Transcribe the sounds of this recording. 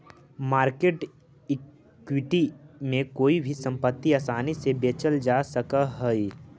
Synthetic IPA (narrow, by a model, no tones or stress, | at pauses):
maːɾkeːʈ | ɪ | kwɪʈimẽkoːibʱisɐ̃mpət̪ːiaːsaːnisebeːt͡ʃəld͡ʒasəkaɦoi